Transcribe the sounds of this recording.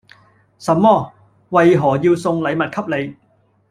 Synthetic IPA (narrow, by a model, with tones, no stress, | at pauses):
sɐ˨mːɔː˥ | wɐ˨jɦɔː˨˩jiː˧wsʊ˧ŋlɐ˨˧jmɐ˨t̚kʰɐ˥p̚le˨˧j